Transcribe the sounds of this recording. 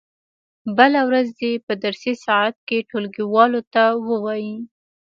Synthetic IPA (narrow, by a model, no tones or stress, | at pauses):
bəlawɾazd̪epəd̪aɾsesɑat̪̚keʈolɡiwɑlot̪awəwɑji